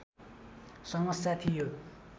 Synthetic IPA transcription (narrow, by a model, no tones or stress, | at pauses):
saŋmasat̪ʰijot̪̚